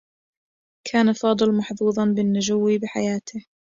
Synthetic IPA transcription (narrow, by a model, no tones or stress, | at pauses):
kʰaːnafɑːd̪ˤɨlmɑħduːðˤɑnbɪnːʊd͡ʒʊwːibɪħa̰jaːt̪ʰɪ